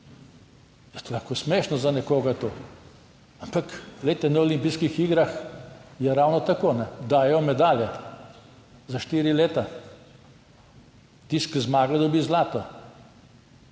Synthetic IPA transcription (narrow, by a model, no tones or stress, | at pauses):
jɛst̪laxkosmeːʃnɔzanɛkoːɡat̪oː | ampakleːt̪ɛnaolimpijskixiɡɾaxjɛɾawnɔt̪akoːnɛd̪aːjɛɔmɛd̪aːljɛ | zaʃt̪iːɾileːt̪a | t̪iskzmaːɡlad̪ɔbiːzlaːt̪ɔ